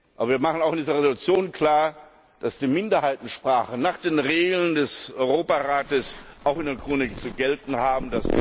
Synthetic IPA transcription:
ʔʔaːbɐviːɐmaχn̩aʊxɪndiːzɐʁezolut͡sjoːnkʰl̥aːɐ | d̥asd̥iːmɪndɐhaɪtn̩ʃpʁ̥aːχənaːχd̥eːnʁeːɡl̩ndɛsʔɔʏʁoːpaʁaːtəsʔaʊxɪndeːɐkʁ̥oːnɪk̚t͡suɡɛltn̩ɦaːbm̩das

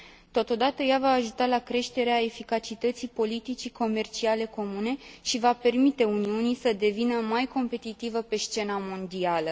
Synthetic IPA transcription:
t̪o̞t̪o̞d̪at̪əjavaːʒut̪alakɾe̞ʃt̪e̞ɾeae̞fikat͡ʃit̪ət̪sipo̞lit̪it͡ʃiko̞me̞rt͡ʃiale̞ko̞mune̞ʃivape̞rmit̪e̞uniunisəd̪e̞vinəmajko̞mpe̞t̪it̪ivəpe̞st͡ʃe̞namo̞nd̪ialə

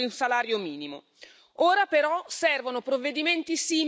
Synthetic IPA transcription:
iunsalaːɾjomiːnimo̰ | oːɾapeɾɔsɛrvonopɾovːed̪iment̪isiːm

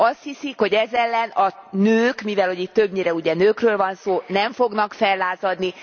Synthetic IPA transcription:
ɒst̪hisikho̞ɟɛzɛlːɛnɒnøːkmivɛlho̞ɟiːt̪ːøbɲeːɾɛuɟɛnøːkrøːlvɒnsoːnɛɱfo̞ɡnɒkfɛlːaːzɒd̪ni

